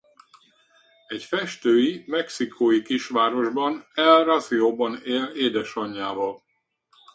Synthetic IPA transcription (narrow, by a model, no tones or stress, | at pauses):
ɛcfɛʃt̪øːjimɛksikʰoːjikiʃʋaːɾo̞ʒbɒnɛlrɒzioːbɒneːleːd̪ɛʃɒɲːaːvɒl